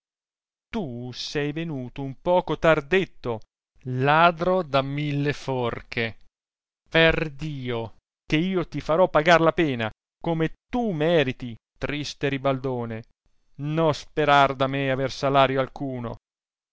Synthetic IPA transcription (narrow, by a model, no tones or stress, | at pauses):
t̪usɛjvenuːt̪oumpɔːkot̪ard̪et̪ːo | laːd̪ɾod̪amilːeforkʰe | perd̪iːo | keiːot̪ifaɾɔpːaɡarlapɛːna̰ | komet̪umɛːɾit̪i | t̪ɾist̪eɾibald̪oːne | nɔspeɾard̪ameaversalaːɾjoalkuːno̰